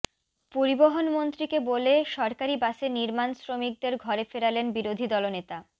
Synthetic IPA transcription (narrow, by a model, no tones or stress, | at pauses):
poɾiboɦonmont̪ɾikeboleʃɔɾkaɾibaʃeniɾmansɾomik̚d̪eɾɡʱɔɾefeɾalenbiɾod̪ʱid̪ɔlonet̪a